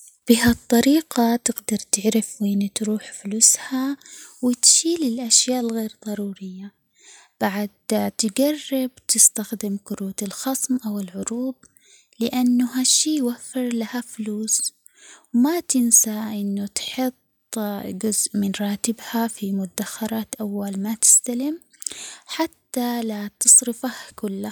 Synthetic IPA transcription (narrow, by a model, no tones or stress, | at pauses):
b̥ɪɦat̪ˤːɑɾiːqat̪ɪɡd̪ɑɾˤt̪ɪʕɾɪfweːnt̪ɾuːħfʊluːshawɪt̪ʃiːlɪlʔaʃjaːʔɪlɣeːɾðˤɑɾˤuːɾɪjːa | b̥aʕad̪t̪ɪɡarːɪb̚t̪ɪst̪axd̪ɪmkʊɾuːt̪ɪlxɑsˤmʔawɪlʕʊɾuːb̪̚ | lɪʔanːʊɦaʃiːjwafːɪɾlahafluːs | wmat̪ɪnsaʔɪnːʊt̪ħʊt̪ˤd͡ʒʊzʔmɪnɾˤɑːt̪ɪbhafimʊt̪d̪axːɑɾˤɑːt̪ʔawːalmat̪ɪ̥st̪alɪm | ħat̪ːalat̪ɨsˤɾɪfahkʊlːa